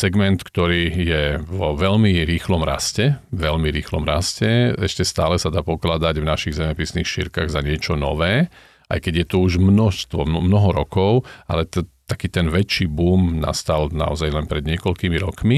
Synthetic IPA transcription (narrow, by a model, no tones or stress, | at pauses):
sɛɡmɛnt̪kt̪ɔɾiːjɛʋɔʋɛlmiɾiːxlɔmɾa̰scɛʋɛlmiɾiːxlɔ̰mɾascɛɛʃcɛst̪aːlɛsad̪aːpɔklad̪aɟvnaʃiɣzɛmɛpisniːxʃḭɾkaɣzaɲɪɛt͡ʃɔnɔ̰ʋɛː | ʔa̰jkɛɟjɛt̪uuʒmnɔʃst̪ʋɔmnɔɦɔɾɔkɔʊa̰lɛt̪t̪akiːt̪ɛnʋɛt͡ʃːiːbuːmna̰st̪alna̰ɔ̰zajlɛnpɾɛd̪ɲɪɛkɔʎkiːmiɾɔkmi